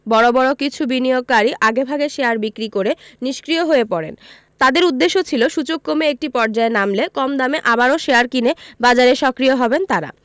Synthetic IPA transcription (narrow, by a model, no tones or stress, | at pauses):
bɔɽobɔɽokit͡ɕʰubinijoɡ̚kaɾiʔaɡebʱaɡeʃeaɾbikɾikoɾeniʃkɾioɦoepɔɽḛn | t̪ad̪eɾud̪ːeʃːot͡ɕʰiloʃut͡ɕok̚komeek̚ʈipɔɾd͡ʑaenamlekɔmd̪ameʔabaɾoʃeaɾkinebad͡ʑaɾeʃɔkɾijoɦɔbent̪aɾa̰